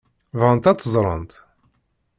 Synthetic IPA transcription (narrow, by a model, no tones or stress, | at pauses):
vʁənt̪æt͡s̪ːəzˤɾˤə̰nt̪